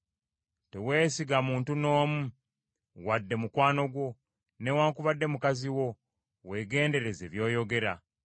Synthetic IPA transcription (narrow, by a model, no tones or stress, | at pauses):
te̞we̞ːsiɡamuːntuno̞ːmu | wadːe̞mukwaːno̞ɡwo̞ | ne̞waːŋkuβadːe̞mukaziwo̞ | we̞ːɡe̞ːnde̞ɾe̞ze̞βjo̞ːjo̞ɡe̞ɾa̰